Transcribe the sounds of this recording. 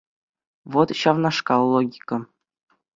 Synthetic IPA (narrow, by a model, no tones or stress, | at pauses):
ʋot̪ɕɑʋnɑʂkɑlˠoɡʲikɤ